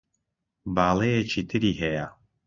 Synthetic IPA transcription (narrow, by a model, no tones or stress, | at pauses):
baːlˠejet͡ʃʰiːt̪ʰɨɾiːɦɛja